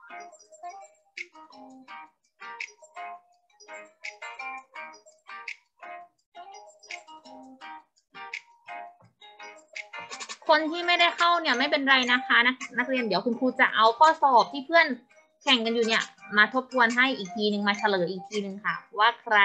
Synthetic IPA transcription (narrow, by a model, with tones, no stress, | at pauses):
kʰo˧nt̪ʰiː˥˩˨ma˥˩jda˥˩jkʰa˥˩wni˧˥˩ɐma˥˩jpe˧nɾa˧jna˧˥˩kʰaː˧˥na˧˥na˧˥˩k̚li˧əndi˩˦əwkʰu˧nkʰuː˧˥t͡ɕa˧˩ʔa˧˩wkʰɔː˥˩sɔː˨˩p̚t̪ʰiː˥˩pʰɯ˥˩ən | kʰɛ˨˧˩ŋka˧njuː˨˩ni˦˥˩ɐmaː˧t̪ʰo˦˥p̚t̪ʰu˧ənɦa˥˩jʔiː˨˩k̚t̪ʰiː˧nɯ˧ŋmaː˧t͡ɕʰa˧lɤː˩˦ʔiː˨˩k̚t̪ʰiː˧nɯ˧ŋkʰa˧˥˩pʰwaː˧˥˩kʰɾa˧